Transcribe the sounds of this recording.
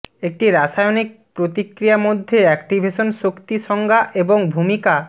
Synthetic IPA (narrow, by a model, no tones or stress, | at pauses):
ek̚ʈiɾaʃajonik̚pɾot̪ikɾijamod̪ʱːeɛkʈibʱeʃonʃokt̪iʃɔŋɡʱaʔeboŋbʱumika